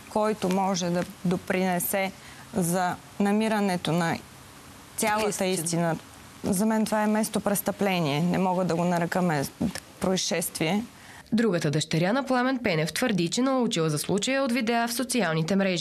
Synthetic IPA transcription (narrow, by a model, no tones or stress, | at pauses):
kɔjt̪omɔʒɛd̪ɐd̪opɾinɛsɛ | zɐ | nɐmiɾənɛt̪onɐ | t̪ʲalˠət̪əist̪inə | zɐmɛnt̪ovaɛmɛst̪opɾɛst̪ɐplɛniɛnɛmɔɡəd̪ɐɡonɐɾɛkəmɛpɾoiʃɛst̪viɛ | d̪ɾuɡət̪əd̪əʃt̪ɛɾʲjanɐplˠamɛnpɛnɛft̪vəɾd̪it͡ʃɛnɐut͡ʃilˠəzɐslˠut͡ʃəjəot̪vid̪ɛafsot̪sialˠnit̪ɛmɾɛʒi